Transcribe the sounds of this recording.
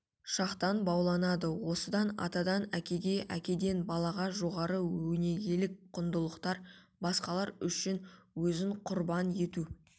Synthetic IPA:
ʃɑqt̪ɑnbɑwlˠɑnɑd̪əwo̞səd̪ɑnɑ̰t̪ɑd̪ɑnækʲe̞ɡʲe̞ʔækʲe̞d̪e̞nbɑlˠɑʁɑʒo̞ʁɑɾəwɵne̞ɡʲe̞lɪk̚qʰʊnd̪əlˠəqt̪ɑɾ | bɑsqɑlˠɑɾʏʃɪnwɵzɪɴqʰʊɾbɑne̞t̪u

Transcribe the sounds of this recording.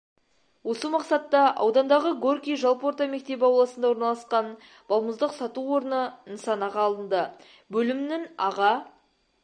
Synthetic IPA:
wo̞səmɑqsɑt̪ːɑʔɑ̰wd̪ɑnd̪ɑʁəɡo̞rkʲijʒɑlˠpo̞rt̪ɑme̞k̚t̪e̞p̬ɑwlˠɑsənd̪ɑwoɾnɑlˠɑsqɑn | b̥ɑlˠməzd̪əqsɑt̪uwo̞ɾənənəsɑnɑʁɑːlˠənd̪ə | bɵlɪmnɪŋɑʁɑ

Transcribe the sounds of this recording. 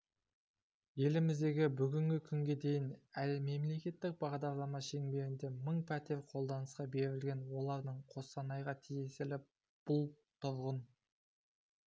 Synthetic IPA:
je̞lɪmɪzd̪e̞ɡʲɪbʏɡʲɪŋɡʲɪkʲʰʏŋɡʲe̞d̪e̞jɪnælme̞mle̞kʲe̞t̪ːɪk̚bɑʁd̪ɑɾlˠɑmɑʃe̞ŋbe̞ɾɪnd̪e̞məɴpʰæt̪e̞ɾqʰo̞lˠd̪ɑnəsqɑbe̞ɾɪlɡʲe̞nwo̞lˠɑɾd̪əɴqʰo̞sɑnɑjʁɑt̪ʰije̞sɪlɪ | b̥ʊlˠ | t̪ʰʊɾʁən

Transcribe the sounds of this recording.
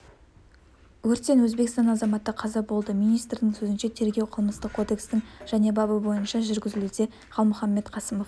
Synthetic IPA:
wɵɾt̪ːʲe̞nwɵzbe̞kst̪ɑnɑzɑmɑt̪ːəqʰɑzɑbo̞lˠd̪əmijnijst̪ɾd̪ɪŋsɵzɪnʃe̞t̪ʰe̞ɾɡʲe̞wqʰəlˠməst̪əq̚kʰo̞d̪e̞kst̪ɪŋʒ̥æne̞bɑbəbo̞jənʃɑʒʏɾɡʲɪzɪlud̪e̞ | χɑlˠmʊχɑmːe̞t̪qʰɑsəmo̞f

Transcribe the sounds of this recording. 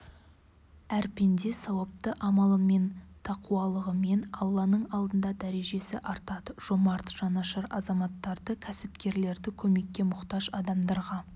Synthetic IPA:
æɾpe̞nd̪e̞sɑwəp̚t̪əʔɑmɑlˠəme̞nt̪ʰɑquɑlˠəʁəme̞nɑlˠːɑnəɴɑlˠd̪ənd̪ɑd̪æɾe̞ʒe̞sɪʔɑɾt̪ɑd̪əʒ̥o̞mɑɾt̪ʒ̥ɑnɑʃəɾɑ̰zɑmɑt̪ːɑɾd̪əkʲʰæsɪpkʲe̞ɾle̞ɾd̪ɪkʲʰɵme̞kʲːe̞mʊqt̪ɑʒɑd̪ɑmd̪ɑɾʁɑ

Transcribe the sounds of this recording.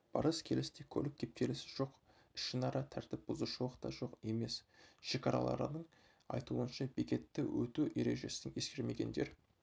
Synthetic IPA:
b̥ɑ̰ɾəskʲʰe̞lɪst̪ekʲʰɵlɪk̚kʲʰe̞p̚k̪ʲʰe̞lɪsɪ̥ʒ̥o̞q | ɪʃɪnɑɾɑt̪ʰæɾt̪ɪp̚bʊzuʃuwəqt̪ɑʒo̞qe̞me̞sʃe̞kʲɑɾɑ̰lˠɑ̰ɾə̰nəɴ | ɑ̰jt̪uənʃɑbikʲe̞t̪ːɪwɵt̪uʔe̞ɾe̞ʒe̞sɪnɪnje̞skʲe̞ɾme̞ɡʲe̞nd̪e̞ɾ

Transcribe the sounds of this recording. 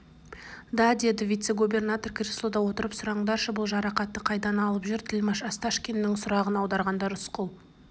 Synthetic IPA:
d̪ɑd̪e̞d̪ɪvijt̪se̞ɡube̞rnat̪o̞rkʰʲrʲɪslˠod̪ɑwo̞t̪əɾəpsʊɾɑɴd̪ɑɾʃəbʊlˠʒɑɾɑqɑt̪ːəqʰɑjd̪ɑnɑlˠəpʒʏɾt̪ʰɪlmɑʃɑst̪ɑʃkʲenːɪŋsʊɾɑʁənɑwd̪ɑɾʁɑnd̪ɑɾʊsqəlˠ

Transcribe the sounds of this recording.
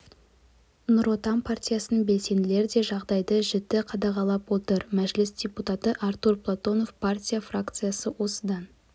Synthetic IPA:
nʊɾo̞t̪ɑmpʰartʲijasənbe̞lse̞nɪle̞ɾd̪e̞ʒɑʁd̪ɑjd̪əʒɪt̪ːɪqʰɑd̪ɑʁɑlˠɑpwo̞t̪əɾmæʒlɪsdʲe̞put̪at̪əʔaɾt̪urplˠat̪o̞no̞fpʰartʲijafrakt̪sɨjasəwo̞səd̪ɑn

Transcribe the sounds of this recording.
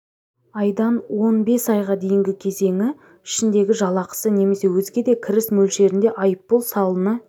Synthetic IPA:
ɑjd̪ɑnwo̞nbe̞sɑjʁɑd̪e̞jɪŋɡʲɪkʲʰe̞ze̞ŋʲɪ | ɪʃɪnd̪e̞ɡʲɪʒɑlˠɑqə̥səne̞me̞se̞wɵzɡʲe̞d̪e̞kʲʰɪɾɪsmɵlʃe̞ɾɪnd̪e̞ʔɑjəpːolˠsɑlˠənə

